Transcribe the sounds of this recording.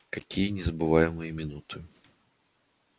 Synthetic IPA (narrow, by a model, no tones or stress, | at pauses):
kɐkʲijənʲɪzəbɨvajɪmɨjəmʲɪnut̪ʰɨ